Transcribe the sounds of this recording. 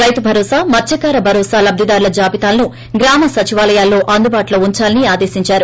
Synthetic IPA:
ɾɐjt̪ubʱɐɾɔːsaːmɐt̪ʃɐkaːɾɐbʱɐɾɔːsaːlɐb̚d̪ʱid̪aːɾulɐd͡ʒaːbit̪aːlɐnu | ɡɾaːmɐsɐt͡ʃiʋaːlɐjaːlːo̞ːʔɐnd̪ubaːʈloːuɲt͡ʃaːlɐniaːd̪e̞ːsiɲt͡ʃaːɾu

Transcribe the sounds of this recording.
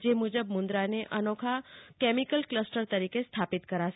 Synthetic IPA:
d͡ʒemud͡ʒəbmʊnd̪ɾaneʔənokʰakɛmikəlkləsʈəɾt̪əɾikest̪ʰapɪt̪kəɾat͡ʃ

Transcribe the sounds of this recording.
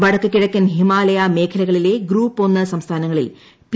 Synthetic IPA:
ʋɐɽɐkːɨkʲːiɽɐkʲːɐnɦimaːlɐjame̞ːkʰɐlɐɣɐɭile̞ɡɾuːpːo̞nːɨsɐmst̪ʰaːnɐŋːɐɭḭl | p

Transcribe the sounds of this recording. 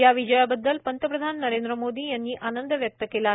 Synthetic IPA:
jaʋid͡ʒəjabəd̪ːəlpənt̪əpɾəd̪ʱanːəɾend̪ɾəmod̪iːjanːiːʔanənd̪əʋjək̚t̪əkela

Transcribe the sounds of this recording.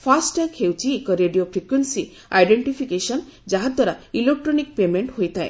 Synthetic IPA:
pʰasʈəkʰewt͡ʃʰiekɔɾeɖiopʰɾikwensi | ajɖeɳʈipʰikesɔnd͡ʒaɦad̪ʱwaɾailek̚ʈɾɔnikpemeɳʈɦojt̪ʰaḛ̃

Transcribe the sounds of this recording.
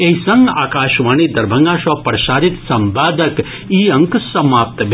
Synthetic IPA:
eisɐ̃ŋɡaːkaːʃʋaːniːd̪ɐɾbʱɐŋɡaːʃɐpɾɐʃaːɾit̪sɐmbaːd̪ɐk | iːɐ̃ŋksɐmaːp̚t̪bʱ

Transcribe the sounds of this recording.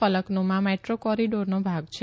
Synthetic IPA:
ələknomãmeʈɾokɔɾiɖoɾnobʱaɡt͡ʃʰe

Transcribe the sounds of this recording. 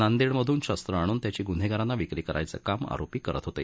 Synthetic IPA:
nand̪iɳməd̪ʱuːnɕast̪ɾəaɽ̃uːnt̪jat͡ɕiːɡun̤ʱeɡaɾanːaʋikɾiːkəɾʔa̰jt͡sə̰kama̰ɾopiːkəɾə̰t̪ɦot̪ḛ

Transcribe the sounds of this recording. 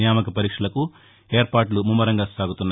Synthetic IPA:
jaːmɐkɐpɐɾiːkʂɐlɐku | e̞ːɾpaːɾʈ̬lumumːɐɾɐŋɡaːsaːɡut̪unːa

